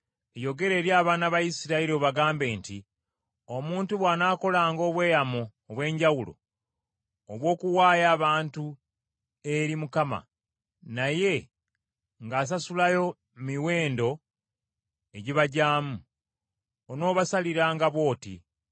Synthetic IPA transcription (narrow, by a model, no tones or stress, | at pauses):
ejo̞ɡe̞ɾe̞ːɾjaːβaːnaβajisiɾaeɾio̞βaɡaːmbe̞ːnti | omuːntuβwaːnaːko̞laːŋɡo̞ːβwe̞ːjamuːβwe̞ːɲɟawulo̞̰ | oβwo̞ːkuwaːjaːβaːntu | e̞ɾimukama̰ | naje̞ | ŋɡaːs̬asulajo̞ | miwe̞ːndo̞ | eɟiβaɟaːmu | ono̞ːβasaliɾaːŋɡaβwo̞ːtḭ